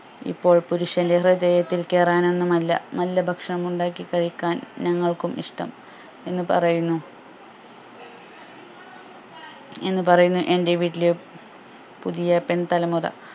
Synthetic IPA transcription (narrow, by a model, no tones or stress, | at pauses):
ḭpːo̞ːɭpuɾuʂjɐndehrɨdɐjɐt̪ːilke̞ːraːne̞nːumɐlːɐ̰mɐlːɐbʱɐkʂɐɳɐmuɳɖaːkːikɐɻikʲːaːnɲɐŋːɐɭkumʔḭʂʈɐ̰m | e̞nːɨpɐ̰rɐjunːu | e̞nːɨpɐrɐjunːuʔe̞nde̞ʋiːʈːilɨ | puðijɐpe̞nt̪ɐlɐmurɐ̰